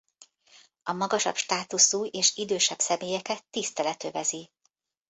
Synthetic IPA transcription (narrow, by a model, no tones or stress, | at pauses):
ɒmɒɡɒʃɒ̰bʃt̪aːt̪usuːeːʃid̪øːʃɛbsɛmeːjɛkɛt̪ːist̪ɛlɛt̪øvɛzi